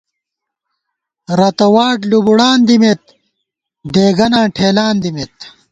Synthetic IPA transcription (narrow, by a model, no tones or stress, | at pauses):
ɾɐt̪ɐwaːʈlubuɽaːnd̪imet̪̚ | ɖ̪eːɡɐnãːʈʰeːlaːnd̪imet̪̚